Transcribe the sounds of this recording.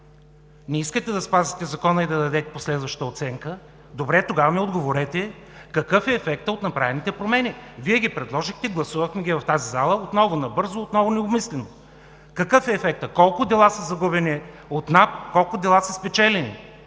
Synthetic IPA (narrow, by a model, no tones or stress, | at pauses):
nɛiskət̪ɛd̪ɐspazit̪ɛzɐkɔnəid̪ɐd̪ɐd̪ɛt̪ɛ̥poslɛd̪vɐʃt̪əot̪sɛŋkə | d̪obɾɛt̪oɡavɐmiod̪ɡovoɾɛt̪ɛkɐkɤfɛːfɛk̚t̪əot̪nɐpɾavɛnit̪ɛpɾomɛniviɛɡʲipɾɛd̪lˠɔʒixt̪ɛɡlˠɐsuvəxmɛɡʲivɐft̪azizalˠəot̪nɔvʊnɐbɤɾzoːt̪nɔvʊnɛomislɛno | kɐkɤfɛːfɛk̚t̪əkɔlˠkʊd̪ɛlˠasɐzɐɡubɛni | ot̪napkɔlˠkʊd̪ɛlˠasɐspɛt͡ʃɛlɛnḭ